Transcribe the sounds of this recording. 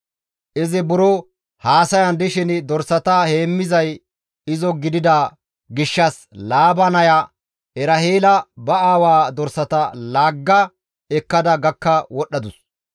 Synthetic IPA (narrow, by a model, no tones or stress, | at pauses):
ʔɪzɪbʊɾɔ | haːsɐjɐnd̪ɪʃɪnɪd̪ɔɾsɐt̪ɐheːmːɪzɐj | ɪzɔɡɪd̪ɪd̪a | ɡɪʃːɐs | laːbɐnɐjɐ | ɛɾɐheːlɐbɐaːwaːd̪ɔɾsɐt̪ɐlaːɡːɐ | ɛkːɐd̪ɐɡɐkːɐwɔɗːɐd̪ʊs